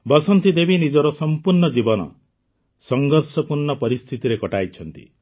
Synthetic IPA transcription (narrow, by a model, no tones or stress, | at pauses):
bɔsɔnt̪id̪ebʱinid͡ʒɔɾɔsɔmpuɾɳɔd͡ʒibɔnɔ̰ | sɔŋɡɔɾsɔpuɾɳɔpɔɾist̪ʰit̪iɾekɔʈajt͡ʃʰɔnt̪ḭ